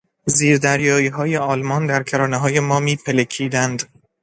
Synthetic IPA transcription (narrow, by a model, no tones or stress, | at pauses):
ziːɾd̪æɾjɒːiːɦɒːjeɒːlmɒːnd̪æɾcʰeɾɒːneɦɒːjemɒːmiːpʰelekʰiːd̪ænd̪